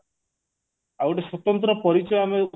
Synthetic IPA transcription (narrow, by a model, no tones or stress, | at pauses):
awʈeswɔt̪ɔnt̪ɾɔpɔɾit͡ʃɔjame